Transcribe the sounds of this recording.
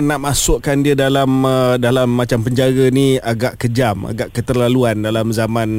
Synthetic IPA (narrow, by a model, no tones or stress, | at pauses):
naʔmasʊʔkandiədalamdalamːãt͡ʃampəɲd͡ʒaɾəniaɡaʔkəd͡ʒama̰ɡaʔkət̪ərlaluandalamzamãn